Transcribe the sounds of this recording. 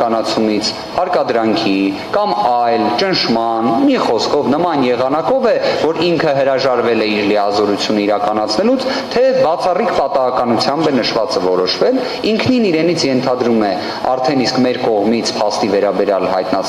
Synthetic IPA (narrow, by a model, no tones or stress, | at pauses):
ɑnɑt͡sʰumit͡sʰ | hɑɾkɑd̪ɾɑŋkʰi | kɑmɑjlt͡ʃənʃmɑnmiχɔskʰɔvnəmɑnjɛʁɑnɑkɔvɛvɔɾiŋkʰəɦəɾɑʒɑɾvɛlɛiɾliɑzɔɾut͡sʰjunəiɾɑkɑnɑt͡sʰnɛlut͡sʰ | t̪ʰɛbɑt͡sʰɑrikʰpɑt̪ɑɦɑkɑnut͡sʰjɑmbɛnəʃvɑt͡səvɔɾɔʃvɛl | iŋkʰniniɾɛnit͡sʰjɛnt̪ʰɑd̪ɾumɛ | ɑ̰ɾt̪ʰɛniskmɛɾkɔʁmit͡sʰpʰɑst̪ivɛɾɑbɛɾjɑlɦɑ̰jt̪nɑ